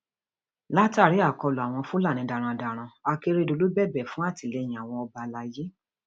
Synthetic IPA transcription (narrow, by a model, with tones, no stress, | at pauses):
la˦ta˦˨ɾi˨˦a˦˨kɔ˧lɔ˨a˨w̃ɔ̃˧fũ˦la˦˨nĩ˧da˨ɾ̃ã˧da˨ɾ̃ã˧a˧ke˧ɾe˧do˧lu˨˦bɛ˦˨bɛ˨fũ˦a˦˨ti˨lɛ˧˨j̃ĩ˨a˨w̃ɔ̃˧ɔ˧ba˧la˧je˦